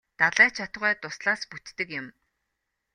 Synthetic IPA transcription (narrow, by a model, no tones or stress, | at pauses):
t̪aɮæːt͡ɕʰat̪̆ʁœːt̪ʊsɮaːsput̪ːɘ̆kjɪ̆m